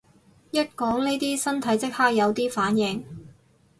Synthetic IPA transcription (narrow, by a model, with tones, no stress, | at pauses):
jɐ˥t̚kɔː˨˥ŋne˥jt̪iː˥sɐ˥nt̪ʰɐ˨˥jt͡sɪ˥k̚haː˥k̚jɐ˨˧wt̪iː˥faː˨˥njɪ˨˧ŋ